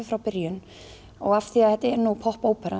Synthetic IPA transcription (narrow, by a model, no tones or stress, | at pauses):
fɾawpɪɾjʏn | ɔɣafθiahɛt̪ɪɛnːʊpʰɔhpoːwpɛɾa